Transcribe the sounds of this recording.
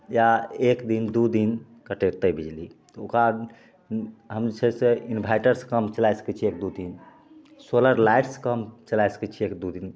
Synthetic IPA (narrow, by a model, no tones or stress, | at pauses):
jaekd̪ind̪ud̪in | kəʈeɾt̪əbʱid͡ʒlit̪ɔokɾa | ɦəmsəseinbʱajʈəɾskəmt͡ʃəlajsə̥kɛt͡ʃʰiek̚d̪ud̪in | soləɾlajʈskəmt͡ʃəlasə̥kɛt͡ʃʰiekd̪ud̪in